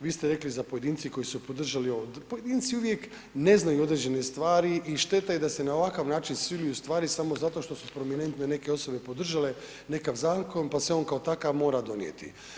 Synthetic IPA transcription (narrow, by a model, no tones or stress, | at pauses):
ʋiːst̪eɾe̞klizapoe̞d̪iːnt̪siko̞jisupo̞d̪r̩ʒaliood̪poje̞d̪iːnt̪siuʋjek | ne̞znajuo̞d̪ɾed͡ʑe̞nest̪ʋaːɾiʔiʃt̪e̞t̪ajed̪ase̞naoʋakaʋnaːt͡ʃinsilujust̪ʋaːɾisamo̞zat̪o̞ʃt̪o̞supɾo̞mine̞nt̪ne̞ne̞ke̞o̞so̞be̞pod̪r̩ʒale̞ | ne̞kaʋzaːko̞npaseo̞nkaot̪akaʋmo̞ːɾad̪o̞nijḛt̪ḭ